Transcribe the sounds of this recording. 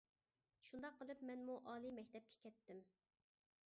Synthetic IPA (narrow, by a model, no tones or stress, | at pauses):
ʃund̪ɑqːəlˠɨpmɛnmuʔɑːlˠimɛkʲt̪ʰɛp̚kʲʰɛ̥kʲʰɛt̪ːɪm